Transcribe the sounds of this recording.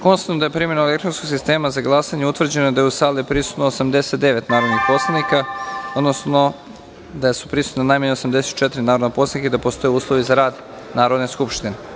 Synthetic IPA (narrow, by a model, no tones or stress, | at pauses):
konst̪at̪nod̪ajepɾimenoelekt̪ɾonskoɡsist̪e̞ːmazaɡlˠasaɲeut̪ʋr̩d͡ʑe̞nojed̪ajusaːliepɾisu̥t̪noosamd̪eset̪̚d̪eʋet̪naːɾod̪nixpo̞slˠanikaod̪nosno | d̪ajesu̥pɾisu̥t̪nanajmaɲeosamd̪e̞set̪t͡ʃet̪iɾinaːɾod̪napo̞slanikaid̪apo̞st̪o̞jeuːslˠoʋizaɾaːd̪ | naːɾo̞d̪ne̞skupʃt̪ine